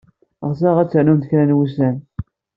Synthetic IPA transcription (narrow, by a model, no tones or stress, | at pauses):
ʁsæʁæt͡sːəʕnumt̪çɾænwusæn